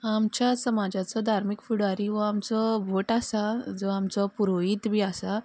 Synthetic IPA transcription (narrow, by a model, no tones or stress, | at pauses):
amt͡ɕjasəmad͡ʑat͡sɔd̪ʱaɾmikfuɽaɾiʋɔamt͡sɔbʱoʈasad͡zɔamt͡sɔpuɾoiːt̪bʱiːasa